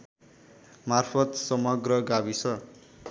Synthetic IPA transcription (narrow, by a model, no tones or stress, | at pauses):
marpʰʌt̪sʌmʌɡrʌɡabisʰʌ